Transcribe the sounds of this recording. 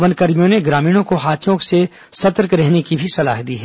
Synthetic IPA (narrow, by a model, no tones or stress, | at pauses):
ʋənkɐɾmijõneɡɾaːmiːɽ̃õkoɦaːt̪ʰjõkse | sɐt̪əɾkɾɛɦnekibʱisɐlaːɦd̪iːɦɛ